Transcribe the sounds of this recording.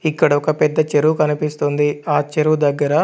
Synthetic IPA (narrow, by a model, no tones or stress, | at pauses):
ikːɐɽɐɔkɐpɛd̪ːɐt͡ʃeɾukɐnipist̪und̪iaːt͡ʃeɾud̪ɐɡːɐɾɐ